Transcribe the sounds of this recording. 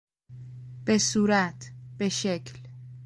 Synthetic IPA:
b̥e̞suːɾæt̪ʰb̥e̞ʃecʰl

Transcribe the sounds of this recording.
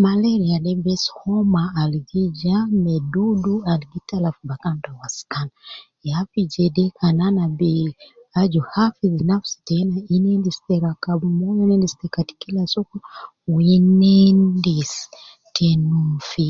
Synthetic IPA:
malɛɾialɛbɛshɔmaːliɡid͡ʒamɛdudualiɡitalafubakandawasi̥kana | jafid͡ʒɛdɛkʰananabɛ | ad͡ʒuhafizinafsi̥tɛnainɛndistɛɾakabumɔjinɛndistɛkati̥kilasɔkɔ | winɛndis | tʰɛnufi

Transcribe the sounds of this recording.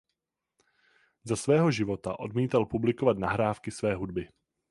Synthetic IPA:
zasvɛːɦo̞ʒɪvo̞t̪a̰ʔo̞dmiːt̪alpublɪko̞vat̪naɦɾaːfkɪsvɛːɦud̚bɪ

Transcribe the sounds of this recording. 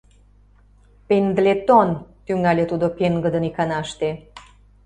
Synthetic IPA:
pend̪əlet̪ont̪yŋɑlʲet̪ud̪opeŋɡə̆d̪ə̆nikɑnɑəʃt̪e

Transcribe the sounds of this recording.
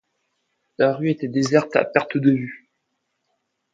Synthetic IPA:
laʁyet̪ɛd̪ezɛʁt̪a̰pɛʁt̪d̪əvy

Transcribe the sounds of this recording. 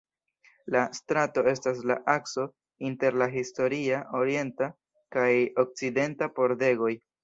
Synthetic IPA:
lastɾato̞e̞stas̬laʔakso̞ | inte̞ɾlaɦisto̞ɾiaʔo̞ɾie̞nta | kajok̚t͡side̞ntapo̞ɾde̞ɡo̞j

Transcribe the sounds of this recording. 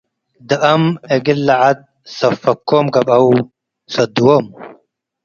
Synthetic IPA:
d̪ɐʔɐmeɡilːɐʕad̪̚ | sɐfɐkːoːmɡɐbɐw | sɐd̪uwom

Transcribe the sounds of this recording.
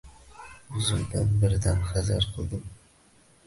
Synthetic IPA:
ʊzɪmd̪anbɪɾd̪anχazaɾqʰɨlˠd̪ɨm

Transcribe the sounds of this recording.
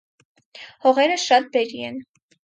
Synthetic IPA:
hɔʁɛɾəʃɑt̪̚bɛɾiɛn

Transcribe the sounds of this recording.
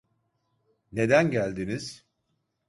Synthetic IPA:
ne̞d̪ænɟælʲd̪iniz̥

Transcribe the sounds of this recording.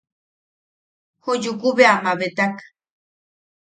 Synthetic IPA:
hujukuβeamaβet̪ak

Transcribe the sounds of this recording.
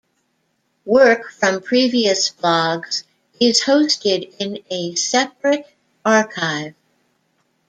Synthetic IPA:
wɜ˞kfɹʌ̃mpʰɹ̥iviɨsb̥lɔɡz̥ | ɪz̥hoʊstɪɾɪ̃nɨsɛp̚ɹɨɾ | ɑɹkʰaɪv̥

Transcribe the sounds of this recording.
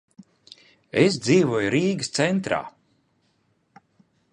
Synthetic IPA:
es̬d̪ziːvuɔjuɾiːɡɨst̪sent̪ɾa̰ː

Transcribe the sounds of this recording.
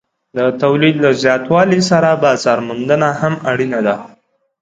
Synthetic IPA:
d̪ət̪awlid̪lazjɑt̪wɑlisaɾabɑzɑɾmʊnd̪ənahamaɽinad̪a

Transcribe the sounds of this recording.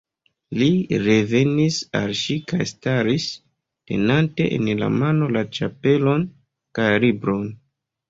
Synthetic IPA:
liɾe̞ve̞nisa̰lʃikajstaɾis | te̞̰nante̞̰ʔḛnla̰mano̞lat͡ʃape̞lo̞n | kajlibɾo̞n

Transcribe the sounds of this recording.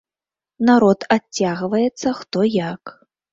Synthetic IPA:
naɾɔt̪aaɣvɐjɛt̪sːɐxt̪ɔjak

